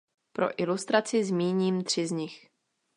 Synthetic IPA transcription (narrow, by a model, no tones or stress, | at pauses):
pɾo̞̰ʔɪlust̪ɾat͡sɪzmiːɲiːmt̪r̝̥ɪzɲɪx